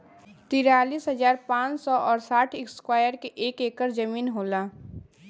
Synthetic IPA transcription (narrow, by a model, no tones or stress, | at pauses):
t̪iɾaːliːsɦəzaːɾpãːt͡ʃsɔʔɔːɾsaːʈʰɪkskwaːjəɾkeʔeːkeːkəɾd͡ʒəmiːnɦoːlaː